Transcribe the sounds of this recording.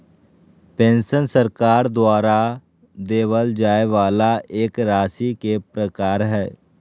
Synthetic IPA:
pɛ̃ːnsənsəɾkaːɾd̪ʊaːɾaː | d̪eːʋəld͡ʒaːeʋaːlaːeːkɾaːsiːkepɾəkaːɾɦɛː

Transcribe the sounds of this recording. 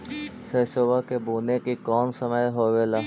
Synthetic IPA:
sesoːbakebuːnekikɔːnsəməjɦoːʋela

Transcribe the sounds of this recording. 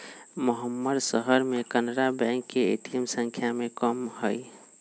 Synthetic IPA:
məɦəmːəd̪səɦəɾmẽkənɾabɛ̃ŋkːeḛt̪imsə̃ŋkʰjamẽkəmhəj

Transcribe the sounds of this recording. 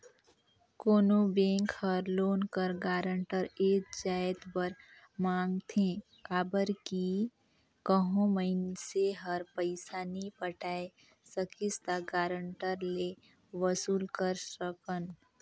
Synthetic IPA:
koːnobẽːŋkhəɾloːnkəɾɡaːɾəɳʈəɾeːk̚d͡ʒaːjt̪bəɾ | mãːŋɡt̪ʰẽ | kaːbəɾki | kəɦõməɪnseɦəɾpəɪsaːnipəʈaːe | səkɪst̪aɡaːɾəɳʈəɾle | ʋəsuːlkəɾɾəkən

